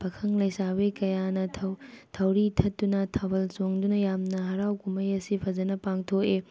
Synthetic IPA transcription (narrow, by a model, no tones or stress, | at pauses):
pʰɐkʰɐŋlɐjsabekɐjanɐtʰɐtʰɐwɾitʰɐtːunɐtʰɐbɐlsoŋdunɐjamnɐɦɐɾawkumɐjɐsipʰɐzɐnɐpaŋtʰoke